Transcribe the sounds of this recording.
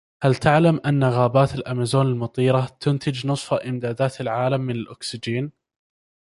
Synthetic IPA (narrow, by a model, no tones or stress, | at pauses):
halt̪aʕlamʔanːaɣaːbaːt̪ɪlʔamaːzuːnalmʊt̪ˤiːɾat̪ʊnt̪ɪd͡ʒnɨsˤfaʔɪmd̪aːd̪aːt̪ɪlʕaːlamːɪnalʔʊksɪd͡ʒiːn